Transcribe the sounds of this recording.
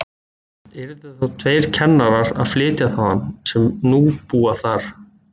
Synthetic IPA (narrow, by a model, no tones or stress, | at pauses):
ɛɾʏθaθawt̪ʰveːjɾ̥cʰɛnːaɾaɾa̰ðflɪːt̪jaθawðansɛmnupuːaθaɾ̥